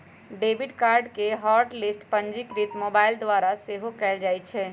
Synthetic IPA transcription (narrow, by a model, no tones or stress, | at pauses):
ɖeːbiɖkaːɾɖkeɦɔːɾʈlisʈpə̃ɲd͡ʒɪkɾit̪moːbaːɪld̪ʋaːɾaseɦokɛːld͡ʒaːjt͡ʃʰɛ